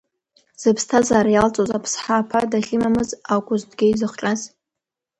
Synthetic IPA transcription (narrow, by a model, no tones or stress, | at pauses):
z̥ɨpʰstʰazaːɾajalt͡sʼozapʰsħaːpʰadaɬʲimamɨzakʷʼʊzdɡʲeizɨχt͡ʃʼaz